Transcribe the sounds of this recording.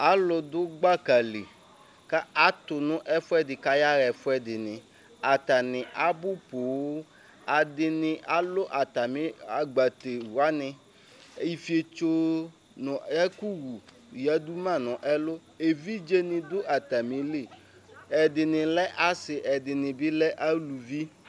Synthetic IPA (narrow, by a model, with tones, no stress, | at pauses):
a˨˦lʊ˨d̪ʊ˦ɡ͡ba˦ka˨le˨ | ka˦a˦t̪ʊ˨nʊ̃˦ʔɛ˦fʊ˦ɛ˦dɪ˨ka˦ja˦ɣɛ˨fʊ˦ɛ˦dɪ˨nɪ̃˨ | a˨t̪a˨nɪ̃˨ʔa˦bʊ˦po˨wo˦ | a˨dɪ˨nɪ̃˨ʔa˨lʊ˦ʔa˨t̪a˨mɪ̃˦a˨ɡ͡ba˨t̪e˨wu˨a˦nɪ̃˨˦ | i˨fi˦e˨t͡ʃo˦ | nɔ̃˨ɛ˦ku˦wu˨ | ja˨d̪u˦mã˦˨nɔ̃˨ʔɛ˦lʊ˦ | e˨vi˦d͡ʒe˦nɪ̃˨d̪ʊ˦ʔa˨t̪a˨mɪ̃˨˦le˦˨ | ɛ˨dɪ˨nɪ̃˨lɛ˦ʔa˦sɪ˨ʔɛ˨dɪ˨nɪ̃˨bɪ˦lɛ˦ʔa˦lu˨vi˦